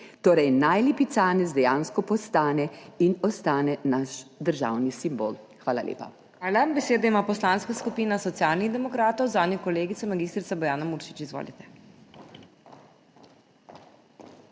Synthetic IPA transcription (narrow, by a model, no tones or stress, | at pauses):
t̪oːɾɛjnajliːpit̪saːnɛzd̪ɛjaːnskɔpɔst̪aːnɛinɔst̪aːnɛnaʃd̪əɾʒa̰wnisimbo̰ːl | xʋaːlaljḛːpa̰ | aːlabɛseːd̪aimaːpɔslanskaskupinasɔt̪sjaːlniɣd̪ɛmɔkɾaːt̪ɔwzaːnʲjikɔleːɡit̪ɛmaɡiːst̪ɾit̪sabɔjaːnamuːɾʃi̥t͡ʃizʋo̰ːlit̪ɛ̥